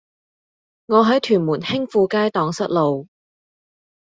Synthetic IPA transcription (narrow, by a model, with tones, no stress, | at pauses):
ŋɔː˨˧ɦɐ˨˥jt̪ʰyː˨˩nmuː˨˩nhɪ˥ŋfuː˧kaː˥jt̪ɔː˨˧ŋsɐ˥t̚lo˨w